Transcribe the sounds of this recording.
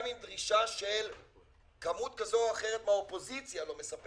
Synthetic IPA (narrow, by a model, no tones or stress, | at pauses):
mimd̪ʁiʃaʃel | kamut̪̚kazoaχeʁet̪maopo̞zit͡sjalo̞me̞sap